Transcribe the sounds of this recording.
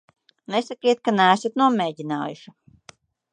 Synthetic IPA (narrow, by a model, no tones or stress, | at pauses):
nesakiɛt̪̚kanæːsat̪nuɔmeːɟʲina̰ːjṵʃi